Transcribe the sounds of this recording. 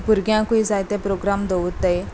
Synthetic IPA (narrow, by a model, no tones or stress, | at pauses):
puɾɡjãkuid͡zajt̪ẽpɾoɡɾamd̪oʋut̪ə